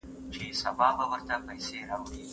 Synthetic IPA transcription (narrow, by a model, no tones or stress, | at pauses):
t͡ʃesabɑbawəɾt̪apɐjseɾɑwɽi